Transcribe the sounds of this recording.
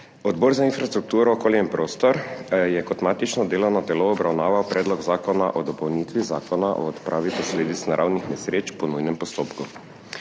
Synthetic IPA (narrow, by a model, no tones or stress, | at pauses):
ɔd̪bɔɾzainfɾast̪ɾuk̚t̪uːɾɔːkoːljaimpɾoːst̪ɔɾjɛkɔt̪maːt̪it͡ʃnɔd̪eːlɔnat̪ɛloːbɾawnaːʋawpɾɛːd̪lɔɡzaːkɔna̰ʔɔd̪ɔpɔwnit̪ʋiza̰ːkɔnaʔɔ̰ːt̪pɾʔaːʋipɔsleːd̪it̪snaɾa̰wnixmɛsɾeːt͡ʃpɔnujnɛmpɔst̪oːpku